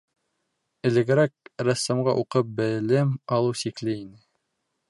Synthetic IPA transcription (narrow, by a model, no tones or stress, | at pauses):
ɘ̆lɘ̆ɡɘ̆ɾæk̚ɾæ̆sːɤ̆mɢɑ̰ʔuqɤp̚bɘ̆lɘmɑlˠɤwsiklɘinɘ